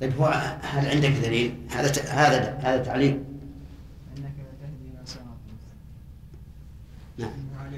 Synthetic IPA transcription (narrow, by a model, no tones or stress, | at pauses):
t̪ˤɑjbhʊwhalʕɪnd̪ɪkd̪aliːlha̰ðahaːðahaːðat̪ːaʕliːm | naʕam